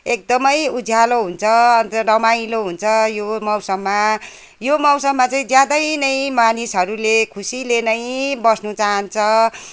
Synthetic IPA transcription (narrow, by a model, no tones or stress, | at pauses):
ek̚d̪ʌmʌjud͡zʱjaloɦunt͡sʰʌʌnt̪ʌrʌmailoɦunt͡sʰʌjomʌwsʌbma | jomʌwsʌbmat͡saĩd͡zjad̪ʌjnʌj̃manisɦʌɾulekʰusilenʌjbʌsnut͡saɦʌnt͡sʰʌ